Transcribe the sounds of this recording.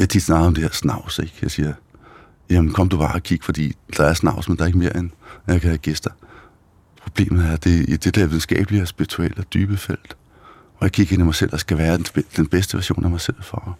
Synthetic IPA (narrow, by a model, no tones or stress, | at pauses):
jt͡sʰid̥snɑ̈ːɡð̩ˠɒ̽md̥e̝heɐsnɑ̈ʊ̰seɡ̥jɑ̈ɪsiːɐ | jæmn̩kʰɒ̽m̰əd̥ub̥ɑ̈ːɒkʰiɡ̥fɒ̽d̥ḭːd̥ɑ̈æɐsnɑ̈ʊ̰smend̥ɑ̈ɐe̝ɡ̥me̝ːɐenjɑkʰæhæɡ̥esd̥ɐ | pʰʁo̝b̥le̝̰ːmð̩ˠæɐd̥e̝id̥e̝d̥eɐʋiðˠn̩sɡ̥ɛ̰ːb̥əliɒsb̥iʁit͡sʰuel̰d̥yːb̥əfel̰d̥ | ɒjɑkʰiɡ̥e̝nimɑ̈ɪsel̰dɑsɡ̥æʋæːɐ̥d̥enb̥esd̥əʋæɐɕjo̝̰ːnæmɑ̈ɪsel̰fɒ